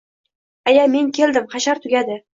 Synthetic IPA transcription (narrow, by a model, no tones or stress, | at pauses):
ajame̞ŋkʲʰe̞ld̪ɪmχaʃaɾt̪ʰʊɡʲad̪ɪ